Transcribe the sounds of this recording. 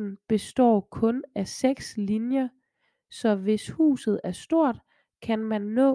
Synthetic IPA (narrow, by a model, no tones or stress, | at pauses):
n̩b̥e̝sd̥ɒ̰ːkʰɔ̽næseɡ̥slinjɐ | sɒ̽ʋe̝shṵːsð̩ˠæɐsd̥o̝ɐ̰d̥ | kʰænmænːɔ̰̽ː